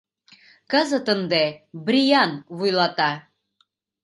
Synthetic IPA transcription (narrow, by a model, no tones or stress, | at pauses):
kɑzə̆t̪ə̆nd̪ebɾʲijɑnβujlˠɑt̪ɑ